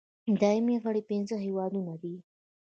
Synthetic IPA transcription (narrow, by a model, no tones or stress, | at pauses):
d̪ɑimeɣəɽipɪnzəɦiwɑd̪unad̪i